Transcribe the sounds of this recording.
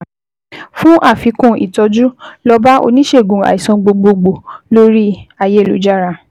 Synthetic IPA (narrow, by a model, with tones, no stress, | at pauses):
fũ˦ʔa˦˨fi˨˧kũ˦˨ḭ˨tɔ˧d͡ʒu˦lɔ˧ba˦ʔo̰˧nĩ˦ʃe˦˨ɡũ˨a̰˨i˨sɔ̃˧ɡ͡bo˧ɡ͡bo˧ɡ͡bo˨lo˦ɾi˦a˧je˦˨lṵ˨˦d͡ʒa˦˨ɾa˧˨